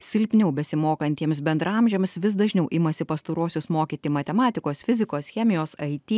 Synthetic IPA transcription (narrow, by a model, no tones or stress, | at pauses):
sʲɪlʲpʲnʲɛʊbʲɛsʲɪmoːkɐnʲt̪ʲiɛmʲs̬bʲɛnd̪ɾɐɐmʲʒʲɛmʲsʋʲɪs̬d̪ɐʒʲnʲɛʊʔɪmɐsʲɪpɐst̪oɾuɔsʲʊsmoːkʲiːt̪ʲiːmɐt̪ʲɛmɑːt̪ʲɪkoːsfʲɪzʲɪkoːsxʲɛːmʲɪjoːsɐɪt̪ʲiː